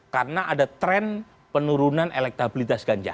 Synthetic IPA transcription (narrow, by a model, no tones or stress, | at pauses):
karənaʔadat̪ɾɛn | pənuɾunanelɛk̚t̪abilit̪asɡ̥aɲd͡ʒa̰